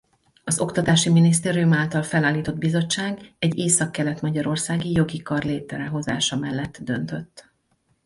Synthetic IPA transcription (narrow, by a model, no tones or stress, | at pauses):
ɒzo̞kt̪ɒt̪aːʃiminis̬t̪eːɾijumaːlt̪ɒlfɛlaːliːt̪o̞d̪̚bizo̞t͡ʃːaːɡɛɟːeːsɒkːɛlɛt̪mɒɟɒɾo̞rsaːɡijo̞ɡikɒrleːt̪ɛɾɛɦo̞za̰ːʃɒmɛlːɛt̪ːd̪ø̞nt̪ø̞t̪ː